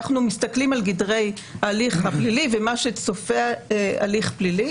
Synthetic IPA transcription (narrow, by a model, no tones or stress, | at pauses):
χnumistaklimalɡidʁe̞j | aliχhaplilivemaʃet͡sofeea̰liχplili